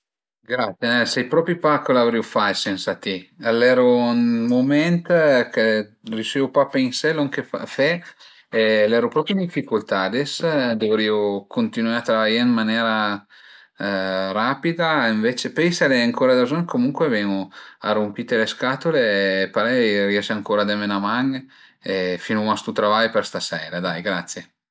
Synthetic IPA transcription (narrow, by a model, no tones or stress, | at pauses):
ɡɾat̪sjenɛsɛjpɾɔpɾipakolavɾiufajsɛnsat̪ialɛɾonmomɛnt̪ke | rit͡ʃevupapeiŋsɛloŋk̟efa̰fɛ | elɛːɾopɾɔpɾjind̪ifːikult̪ad̪esd̪ovɾiːokʰont̪inwaɾeat̪ɾavajaɾmanɛːɾa | ɾapid̪aiɱvet͡ʃepesaleaŋkʰoːɾad̪azonkʰomuŋkwevɛŋoa̰rumpit̪eleskat̪oleːpaɾɛriɛʃaŋkoːɾad̪emenamaŋ | efinumast̪ut̪ɾavajperst̪asɛːɾad̪ajɡɾat̪sːje